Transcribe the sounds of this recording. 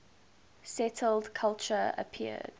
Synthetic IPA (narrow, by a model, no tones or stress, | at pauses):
sɛtʰəldkʰalˠt͡ʃəə̰pʰiə̰d̥